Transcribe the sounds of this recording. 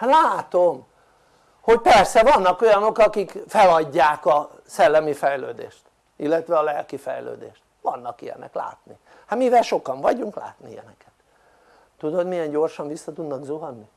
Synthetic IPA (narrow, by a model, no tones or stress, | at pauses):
laːt̪o̞m | ho̞cpɛrsɛvɒnːɒko̞jɒno̞kɒkikfɛlɒɟːaːkɒ | sɛlːɛmifɛjlø̰ːd̪ḛːʃt̪ | ilːɛt̪ʋɛɒlɛlkifɛ̰jlø̰ːd̪ḛːʃt̪ʋɒnːɒkijɛ̰nɛ̰kla̰ːt̪ni | hamivɛlʃo̞kɒɱvɒɟuŋkla̰ːt̪nijɛ̰nɛkɛt̪ː | ud̪o̞d̪mijɛɲɟo̞rʃɒɱvisːɒt̪ud̪nɒɡzuɦɒnni